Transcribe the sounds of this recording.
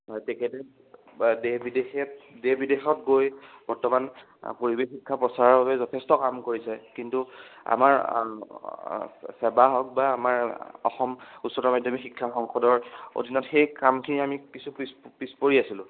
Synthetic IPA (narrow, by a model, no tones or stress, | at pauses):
tɛkʰɛtɛ | debidexɛtdebidexɔtɡojb̥ɔɹtɔman | poɹibexikʰːapɹɔsaɹɔɹbabɛzɔtʰestɔkamkoɹisɛkintua̰maɹ | sɛbaɦɔk̚baːmaɹɔ̰xɔmutsɔtɔmadʱɔmixikʰːaxɔŋxɔdɔɹo̰dʱinɔtxejkamkʰiniamikisupispispoɹiasilʊ̃